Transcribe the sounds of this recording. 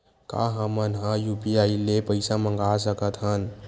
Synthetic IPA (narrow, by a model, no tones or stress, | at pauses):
ka̰ɦəmənɦə̃jupiailepəɪsaməŋɡasəkət̪ʰɦən